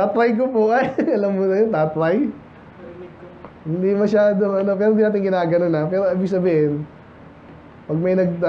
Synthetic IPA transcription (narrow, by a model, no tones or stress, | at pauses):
t̪aːt̪ɾɐjk̬opoʔajɐlɐmːonɐjont̪aːt̪ɾaj | hɪnd̪imɐʃaːd̪oʔɐno̞pɛːɾohnd̪iːnaːt̪ɪŋɡɪnaːɡɐno̞nɐpɛːɾoʔaːbɪɡ̚sɐbiːhɪn | pɐɡ̚mɐjnɐɡ̪̚